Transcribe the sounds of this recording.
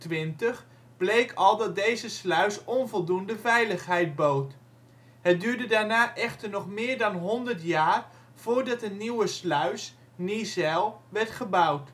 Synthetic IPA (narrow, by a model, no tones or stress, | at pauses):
tʋɪntəχ | blejkɑlˠdɑt̚dejzəslœɥsɔnvɔlˠdundəvɛjləχɦɛjd̚bowt | ɦət̚dyːɹdədaːɹnaːʔɛχtəɹnɔχmɪːɹdɑnɦɔndəɹtjaːr | v̥ʊːɹdɑtənnːiwəslœɥs | nizɛlˠʋɛɹtχəbʌwt